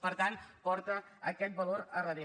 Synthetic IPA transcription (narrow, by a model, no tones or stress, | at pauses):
pəɾt̪anpɔɾt̪əəkɛt̪̚bəloɾərəði